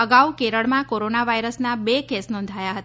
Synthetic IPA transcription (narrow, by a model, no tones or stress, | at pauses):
əɡawkeɾəɭmãkoɾonaʋaiɾəsnabekesnɔ̃nd̪ʱajaɦət̪